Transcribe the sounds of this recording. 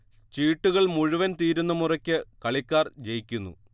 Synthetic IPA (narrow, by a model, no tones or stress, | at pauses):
t͡ɕiːʈːuɣɐɭmuɻuʋɐnt̪iːɾunːɐmurɐkʲːɨkɐɭikʲːaːrd͡ʑejikʲːunːṵ